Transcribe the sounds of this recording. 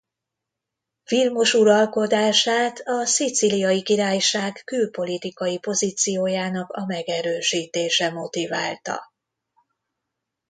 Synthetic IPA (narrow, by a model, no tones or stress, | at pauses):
filmo̞ʃuɾɒlko̞d̪aːʃaːt̪ʰɒsit̪silijɒjikiɾaːjʃaːɡːylpo̞lit̪ikɒjipo̞ziːt̪sijoːjaːnɒkɒmɛɡɛɾøːʃiːt̪eːʃɛmo̞t̪iva̰ːlt̪ɒ̰